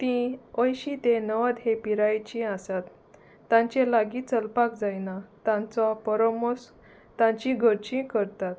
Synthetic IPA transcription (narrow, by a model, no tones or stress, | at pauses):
t̪ĩəjɕit̪enəʋəd̪ɦepiɾajt͡ɕĩasat̪ː | ãɲt͡ɕelaɡiːt͡səlpakd͡zajnat̪ãnt͡sɔpɔɾɔmos | t̪ãɲt͡ɕĩɡʱəɾt͡ɕĩkəɾt̪at̪̚